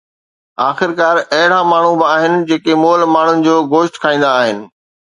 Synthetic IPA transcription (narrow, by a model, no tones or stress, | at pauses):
aːxɪɾkaːɾɐɦɪɽ̤amaːɳ̤ubɪaːɦɪnɪ̆d͡ʑeːkemoːlmaːɳ̤ʊnɪ̆d͡ʑoːɡoːʃʈkʰaːĩːn̆d̪aːɦɪnɪ̆